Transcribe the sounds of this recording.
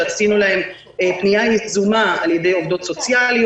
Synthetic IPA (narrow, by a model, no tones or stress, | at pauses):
asinulahe̞m | epnijajizumaaljede̞jo̞vd̪o̞tso̞t͡sjalij